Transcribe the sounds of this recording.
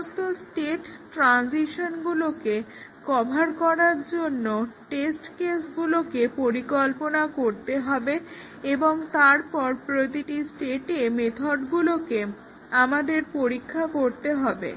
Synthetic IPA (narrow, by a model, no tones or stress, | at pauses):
t̪osʈeʈʈɾansiʃonɡulokekɔbʱaɾkɔɾaɾd͡ʑonːoʈesʈkesɡulokepoɾikɔlponakoɾt̪eɦɔbe | eboŋt̪aɾpɔɾpɾot̪iʈisʈeʈemet̪ʰoɖɡuloke | amad̪eɾpoɾikʰːakoɾt̪eɦɔbḛ